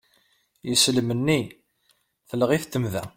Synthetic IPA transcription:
jisəlmənːi | θələʁiθt̪ːəmðæ

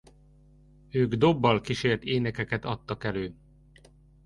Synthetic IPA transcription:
øːɡd̪o̞bːɒlkiʃeːrt̪eːnɛkɛkɛt̪ɒt̪ːɒkɛløː

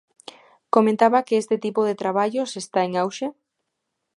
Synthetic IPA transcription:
komẽnt̪aβakeest̪et̪ipoðet̪ɾaβ̞aʎosest̪aeŋawʃe

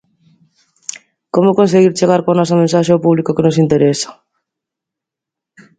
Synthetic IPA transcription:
komokõns̬eɣiɾt͡ʃeɣaɾkoanɔsɐmẽnsaʃeopuβlikokenos̬int̪eɾɛsḁ

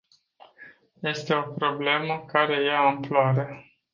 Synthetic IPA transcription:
je̞st̪e̞o̞pɾo̞ble̞məkaɾe̞jaːmploaɾe

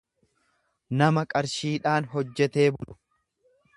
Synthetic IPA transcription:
nɐmɐkʼɐɾʃiːᶑaːnɦɔd͡ʒːɛt̪e̞ːbʊlʊ̥

